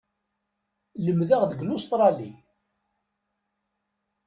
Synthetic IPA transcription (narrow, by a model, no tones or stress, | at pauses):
ləmðaʁðəɡlʊst̪ɾˤɑlḭ